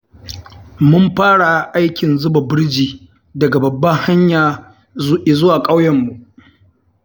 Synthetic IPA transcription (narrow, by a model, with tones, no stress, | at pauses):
mʊ˦mɸaː˦ɽa˨ʔa˦jkʲɪ˨nzʊ˦ba˨bɪ˦ɾd͡ʒiː˨ | dɐ˨ɡa˨bɐ˨bːɐ˦ha˦ɲjaː˨ | zʊ˦ʔɪ˨zʊ˦waː˨kʼa˦wjɐ˨mːu˨ʔ